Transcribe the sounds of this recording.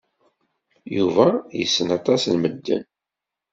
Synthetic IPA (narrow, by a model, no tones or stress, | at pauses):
juvæjəsːənɑt̪ˤɑslməd̪ːə̰n